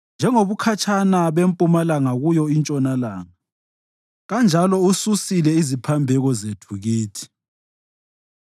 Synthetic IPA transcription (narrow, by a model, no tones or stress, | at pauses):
nd͡ʒʱɛŋoβukʰat͡ʃʰʼanaβempʼumalaŋaɣujɔint͡ʃʼɔnalaːŋa | ɣand͡ʒʱalɔususilɛizipʰambʱɛɣɔzetʰuɣiːtʰi̥